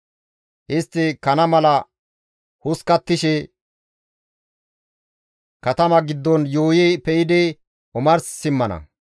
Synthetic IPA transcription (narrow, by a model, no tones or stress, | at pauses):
ʔɪst̪ːɪkɐnɐmɐlɐ | hʊskɐt̪ːɪʃɛ | kɐt̪ɐmɐɡɪd̪ːɔnjoːjɛpɛjɪd̪ɛ | ʔʊmɐɾsːɪmːɐnɐ̰